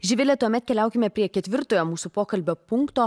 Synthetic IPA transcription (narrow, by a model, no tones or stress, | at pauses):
ʒʲɪʋʲɪlʲɛt̪uɔmʲɛt̪kʲɛlʲæˑʊkʲɪmʲɛpʲɾʲiɛkʲɛt̪ʲʋʲɪɾt̪oːjoːmuːsupoːkɐlʲbʲoːpʊŋkt̪oː